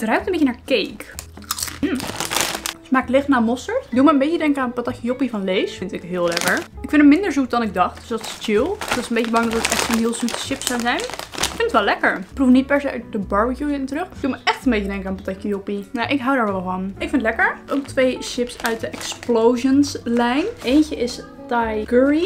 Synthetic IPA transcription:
drœɥptəmbɪjcənaːɹkejk | m̩ | smaːklɪχtnaːmɔstəɹtdulˠməəmbejcədɛŋkəaːnpataxjəjopivɑnlejsfɪntɪkɦɪːlˠlɛkəɹɪkfɪndəmɪndəɹzut̚dɑnɪɡ̚dɑχt̚d̥øsdɑtɪ̥st͡ʃɪlˠdɔsənmbejcəbɑŋdɑtətɛχtsonɦɪːlˠzutə̥ʃɪpsawzɛjnɪkfɪntətʋɛlɛkəɹprufnit̚pɛɹsejœɥt̚dəbɑɹbəjuɪntərøχd̥uməʔɛχtəmbecədɛŋkəaːnpatakjəjopinaʔɪkɦawdaːɹʋɛlˠvɑnɪkfɪnətlɛkəɹʔowk̚tʋejʃɪpsœɥt̚dəʔɛksplowʒənslɛjnejncəʔɪs | tajɡøɹi

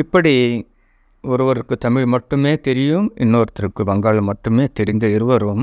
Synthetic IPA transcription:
ɪpːɐɽi | ɔɾɯʋɐɾɯkːɯt̪ɐmɪɻmɐʈːɯmeːt̪ɛɾɪjɯmɪnːoːɾɐt̪ːɪɾɯkːɯʋɐŋɡaːɭɐmɐʈːɯmeːt̪ɛɾɪnd̪ɐɪɾɯʋɐɾɯm

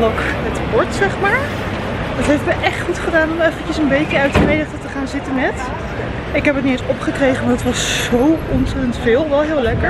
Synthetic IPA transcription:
lokətʋɔɹtsɛχmaːɹ | dɑtɦejfəməʔɛχtχutχədaːnɔmɛfəkəsənbejkəœɥtrejdəχtətəχaːnzɪtənːɛt | ɪkɦɛpət̚niensɔpχəkrejχənmadətʋɑsːowɔnsɛtəntfɪːlˠʋɛlˠɦɪːlˠɛkəɹ

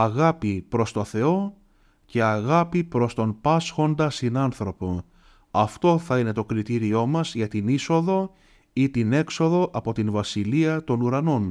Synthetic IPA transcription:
ɐɣɐpipɾo̞st̪o̞θe̞o̞ | ce̞ɐɣɐpipɾo̞st̪o̞npɐsxo̞nd̪ɐst̪inɐnθɾo̞po | ɐft̪o̞θɐine̞t̪o̞kɾit̪iɾio̞mɐzʝɐt̪iniso̞ðo̞ | it̪ine̞kso̞ðo̞ʔɐpo̞t̪invɐsiliɐt̪o̞nuɾɐno̞n

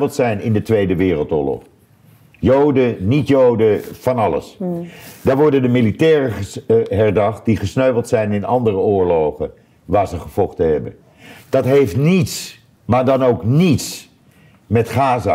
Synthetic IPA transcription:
pl̩ˠtsɛjnɪ̰ndətʋejdəʋɪːrəlˠtʊ̰ːɹlɔ̰χ | jowdənitjowdəfɑnɑlə̰s | d̥aːɹʋɔɹdəndəmilitɛːrəɦɛɹdɑχt̚diχəsnøɥplˠtsɛjnɪnɑndərəʊːɹlowχə̰n | ʋaːɹzəχəv̥ɔχtəɦɛbə | d̥ɑtɦejftnits | maːɹdɑnowknits | mɛtχaːza̰

